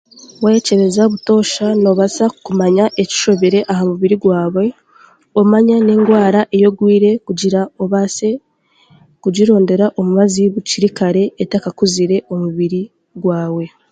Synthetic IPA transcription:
waece̞ɾe̞zaβuto̞ːʃano̞βasakumaɲaʔe̞ci̥ʃo̞βe̞ɾe̞ʔahamuβiɾiɡwaːβwe̞ | omaɲane̞ːŋɡwaːɾaʔe̞jo̞ɡwiːɾe̞kuɟiɾaoβase̞ | kuɟiɾo̞ːnde̞ɾaʔo̞muβaziβuciɾikaɾe̞ːtakakuziɾe̞ʔo̞muβiɾi | ɡwaːwe̞

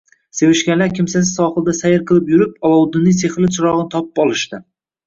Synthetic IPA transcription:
se̞vɪʃkʲalaɾkʲʰɪmsas̬ɪ̥sɒχɨlˠd̪asajɪɾqʰɨlˠɪpjʊɾɪpɒlɒwd̪ɪnːɪseχlɪt͡ʃʰɪɾɒʁnɪt̪ʰɒpɪ̥pɒlˠɪʃt̪ɪ

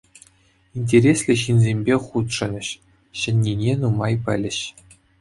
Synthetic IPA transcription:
inʲt̬ʲeɾʲesʲlʲɘ̆ɕinzʲemʲbʲeχut̪ʂɤ̆nʲɘ̆ɕ | ɕɘ̆nʲːinʲenumɑjpʲɘ̆lʲɘ̆ɕ

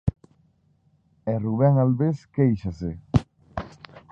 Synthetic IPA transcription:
ɛruβɛŋalβeskejʃase

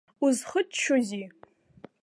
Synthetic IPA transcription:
uzχətt͡ʃʰozi

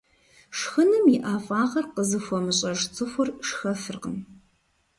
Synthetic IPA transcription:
ʂxɨnɨmiʔaːfʼaːʁɐrqəzɨfʷɔmɨɕʼɐʐt͡sʼɨxʷʊrʂxɐfɨrqən

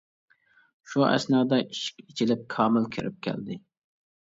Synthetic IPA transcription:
ʃuɛ̰snɑːd̪ɑiʃi̥kʲit͡ʃʰilɪp̚kʰɑːmɪlkʲʰɪɾʔɪp̚kʲʰɛ̰ld̪ɪ

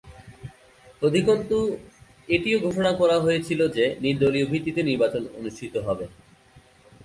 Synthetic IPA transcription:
od̪ʱikont̪u | eʈioɡʱoʃonakɔɾaɦoet͡ɕʰilod͡ʑeniɾd̪oliobʱit̪ːit̪eniɾbat͡ɕono̰nuʃʈʰit̪oɦɔbe

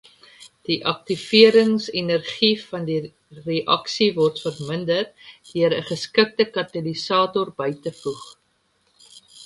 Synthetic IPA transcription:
d̥iʔɐk̚tifiəɾəŋsinərχifɐndi | reʔɐksivɔrtfərməndərtdiəɾəχəskək̚təkɐtɐlisɑːtɔrbəjtəfuχ

